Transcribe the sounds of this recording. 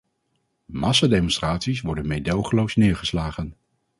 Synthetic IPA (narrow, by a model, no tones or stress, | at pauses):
mɑsadejmɔnstraːtsisʋɔɹdənmejdowχəlowsnɪːɹχəslaːχən